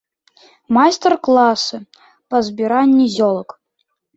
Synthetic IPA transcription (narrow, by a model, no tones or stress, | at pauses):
majst̪ərklˠasɨ | pɐzbʲiɾanʲːizʲolˠək